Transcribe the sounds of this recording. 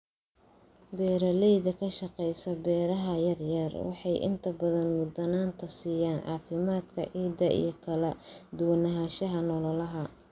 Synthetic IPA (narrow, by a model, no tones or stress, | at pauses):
bɛːɾɐlɛjðɐkʰɐʃɑqɛjsɐbɛːɾɐɦɐjɐrjɐrwɑ̰ħɑjʔɪ̰nt̪ʰɐbɐðɐnmʊd̪ɐnaːnt̪ʰɐsiːjaːnʕɑ̰ːfɪmaːd̪kʰɐ̰ʕiːd̪ɐʔḭjɞkʰɐlɐd̪ʊwɐnɐɦaːʃɐɦɐnɔlɔlɐɦɐ